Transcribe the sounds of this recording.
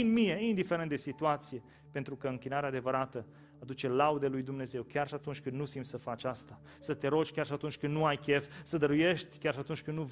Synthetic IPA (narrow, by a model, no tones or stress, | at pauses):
inmie̞ind̪ife̞ɾent̪d̪esit̪uat̪sije̞ | pe̞nt̪ɾukəɨŋkʲinaɾead̪e̞vəɾat̪ə | ad̪ut͡ʃe̞laud̪elujd̪umne̞ze̞wkʲjarʃiat̪unt͡ʃʲkɨnd̪nusimt̪səfat͡ʃʲast̪a | sət̪e̞ɾot͡ʃkʲjarʃiat̪unt͡ʃʲkɨnd̪nuajkʲe̞fsəd̪əɾuje̞ʃt̪ʲkʲarʃiat̪unt͡ʃʲkɨnnu